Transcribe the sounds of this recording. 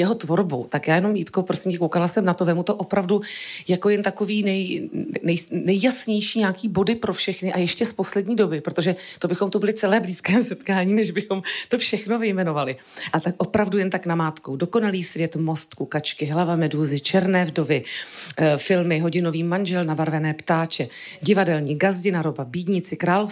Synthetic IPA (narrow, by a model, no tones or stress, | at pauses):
jɛɦo̞t̪vo̞ɾbṵt̪akjaːjɛno̞mjit̪kopɾo̞sɪmcɛkowkalasɛmnat̪ovɛːmut̪o̞ʔo̞pɾavdujako̞jɛnt̪ako̞viːnɛjnɛjnɛjːasɲɛjʃiːɲaːkiːbo̞dɪpɾofʃɛxnɪʔajɛʃcɛspo̞slɛdɲiːdo̞bɪpɾo̞t̪o̞ʒɛt̪obɪxo̞mt̪ubɪlɪt͡sɛlɛːbliːskɛːsɛt̪kaːɲiːnɛʒbɪxo̞mt̪o̞fʃɛxno̞vɪjmɛno̞valɪ | ʔat̪ak̚ʔo̞pɾavdujɛnt̪aknamaːt̪ko̞wdo̞ko̞naliːsvjɛt̪mo̞st̪kukat͡ʃkɪɦlavamɛduːzɪt͡ʃɛɾnɛːvdo̞vɪ | fɪlmɪɦo̞ɟɪno̞viːmanʒɛlnabaɾvɛnɛːpt̪aːt͡ʃɛɟɪvadɛlɲiɡazɟɪnaɾobabiːdɲɪt͡sɪkɾaːlof